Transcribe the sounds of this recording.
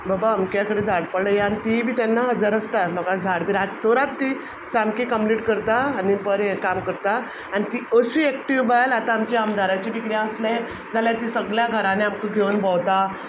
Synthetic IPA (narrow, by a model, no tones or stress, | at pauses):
babaːmkjakəɽed͡zʱaɽpəɽləjaanit̪ibʱiːt̪janːaɦəd͡zəɾəst̪alɔkãd͡zʱaɽbiɾat̪oɾat̪ːi | samkikəmpliːʈkəɾt̪aːnipəɾekamkəɾt̪a | añit̪iəsuːɛkʈiʋbajlat̪aːmt͡ɕeamd̪ʱaɾat͡ɕebikɾjãəsle | d͡zʱaljat̪isəɡljaɡʱəɾaneamkəɡʱenbəwt̪a